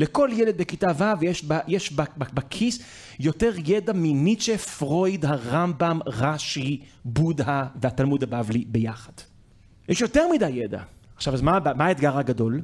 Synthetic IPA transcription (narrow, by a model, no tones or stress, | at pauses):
leko̞ljeled̪̚bekitavavjeʃbajeʃbababakʰis | jo̞te̞ʁjedaminit͡ʃefʁo̞jdhaʁambamʁaʃi | budhavehatalmud̪habavlibe̞jaχḁd̥ | jɛʃjo̞te̞ʁmidajːeda̰aχʃavazmabmaaetɡaʁhaɡado̞l